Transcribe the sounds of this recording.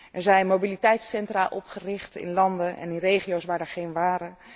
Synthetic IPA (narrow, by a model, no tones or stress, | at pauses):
ʔɛɹzɛjnmowbilitɛjtsɛntraʔɔpχərɪχtɪ̰nlɑndəʔɛ̰nɪnrejχijowsʋaːɹdɛɹχejnʋaːɾə